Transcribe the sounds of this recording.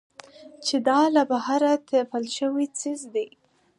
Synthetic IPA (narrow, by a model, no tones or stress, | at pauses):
t͡ʃed̪ɑlabahaɾat̪ʰapəlʃəwit͡sizd̪e